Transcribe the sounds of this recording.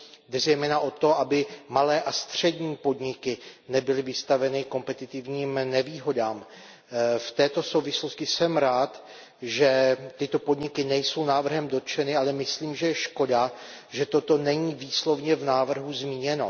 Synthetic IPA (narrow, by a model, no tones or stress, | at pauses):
dɛzɛjmɛːnaʔo̞t̪o̞ʔabɪmalɛːʔast̪r̝̥ɛdɲiːpo̞dɲɪkɪnɛbɪlɪvɪst̪avɛnɪko̞mpɛt̪ɪt̪ɪvɲiːmnɛviːɦo̞daːm | ft̪ɛːt̪o̞so̞wvɪsloscɪsɛmɾaːt̪ | ʒɛt̪ɪt̪o̞po̞dɲɪkɪnɛjso̞wnaːvr̩ɦɛmdo̞t̪t͡ʃɛnɪalɛmɪsliːmʒɛjɛʃko̞da | ʒɛt̪o̞t̪o̞nɛɲiːviːslo̞vɲɛvnaːvr̩ɦuzmiːɲɛno